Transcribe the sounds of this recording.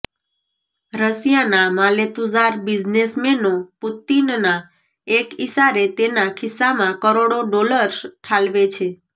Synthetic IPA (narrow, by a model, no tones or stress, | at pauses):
ɾəsijanamalet̪uzaɾbid͡ʒnesmenoput̪inna | ekisaɾet̪enakʰɪsːamãkəɾoɽoɖoləɾsʈʰalʋet͡ʃʰe